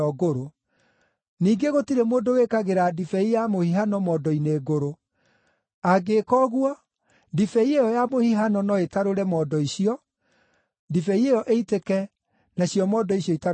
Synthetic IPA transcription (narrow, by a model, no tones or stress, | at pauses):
ɔɡoɾo | niːɡeɣotiɾemoːndowekaɣeɾadifɛijamohiɦanɔmɔːdɔineːɡoɾo | aɡekɔːɣwɔ | difɛiejɔjamohiɦanɔnɔetaɾoɾɛmɔːdɔiɕiɔ | difɛiejɔʔeitekɛ | naɕjɔmɔːdɔiɕjɔita